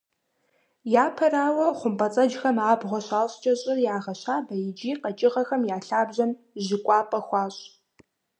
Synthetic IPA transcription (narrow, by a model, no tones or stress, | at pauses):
jaːpʰɐraːwɐχʷʊmpʼɐt͡sʼɐd͡ʒxɐmaːbʁʷɔɕaːɕʼt͡ʃʼɐɕʼɪrjaːʁɐɕaːbɐjɪd͡ʒiːqɐt͡ʃʼɪʁɐxɐmjaːɬaːbʑɐn | ʑɪkʷʼɑːpʼɐxʷɑːɕʼ